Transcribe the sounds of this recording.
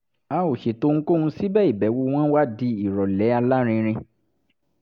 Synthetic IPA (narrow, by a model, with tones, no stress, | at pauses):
a˨˧o˨ʃe˨to˦ŋ̩̃˦ko˦˧ũ˧si˦bɛ˦i˦˨bɛ˨˦wo˧w̃ɔ̃˦wa˦˨di˧i˨ɾɔ˨lɛ˨˦a˧la˦ɾ̃ĩ˧ɾ̃ĩ˧